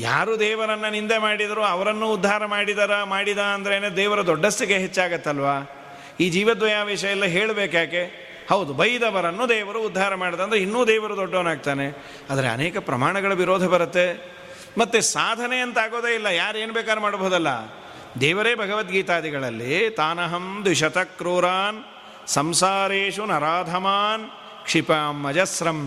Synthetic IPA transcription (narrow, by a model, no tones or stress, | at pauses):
ja̰ːɾud̪ɛːʋɐɾɐnːɐnind̪e̞maːɽid̪ɐɾuɐʋɐɾɐnːuːd̪ʱːaːɾɐmaːɽid̪ɐɾɐmaːɽid̪aɐnd̪ɐɾeːned̪ɛːʋɐɾɐd̪ɔɖːɐst̪iɡeɦet͡ʃːaːɡɐt̪ːɐlʋaː | iːd͡ʒiːʋɐd̪ʋɐjaːʋɛːʃɐjɐlːɐɦeːɭbeːkjaːke̞ | hɐwd̪ubɐjid̪ɐʋɐɾɐnːud̪ɛːʋɐɾuːd̪ʱːaːɾɐmaːɽid̪ɐnd̪ɾinːuːd̪ɛːʋɐɾud̪ɔɖːɐːnaːɡ̚t̪aːne | aːd̪ɐɾeɐ̰neːkɐpɾɐ̰maːɳɐɡɐɭɐʋiɾoːd̪ʱɐbɐɾut̪ːe | mɐt̪ːesaːd̪ʱɐneɐnt̪aːɡoːd̪eːilːɐjaːɾeːnbɛːkaːɾɐmaːɽboɦud̪ɐlːɐ̰ | d̪ɛːʋɐɾeːbʱɐɡɐʋɐt̪ɡiːt̪aːd̪iɡɐɭɐlːit̪aːnɐɦɐmd̪ʋiʃɐt̪ɐkːɾuːɾaːn | sɐmsaːɾeːʂunɐɾaːd̪ʱɐmaːn | kʂipaːmːɐd͡ʒɐsɾɐm